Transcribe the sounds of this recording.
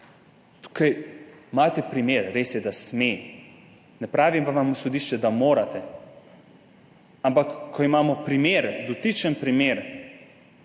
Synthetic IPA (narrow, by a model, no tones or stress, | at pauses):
t̪u̥kajmaːt̪ɛpɾimeːɾɾeːsjɛd̪asmeː | nɛpɾaːʋimʋaʋamsɔd̪iʃt͡ʃɛd̪amoːɾat̪ɛ | ampakkʰːɔimaːmɔpɾimeːɾd̪ɔt̪it͡ʃənpɾimeːɾ